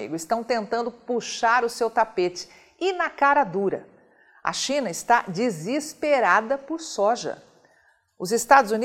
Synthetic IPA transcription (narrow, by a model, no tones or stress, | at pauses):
ḭɡʊɪst̪ɐ̃w̃t̪ẽnt̪ɐ̃nd̪ʊpuʃaɾʊsewt̪apet͡ʃɪ̥ | ɪnɐkaɾɐd̪uɾɐ̰ | ɐ̰ʃĩnɐɪst̪ad͡ʒizispeɾad̪ɐpʊɾsɔʒɐ̰ | ʊzɪst̪ad̪ʊzuni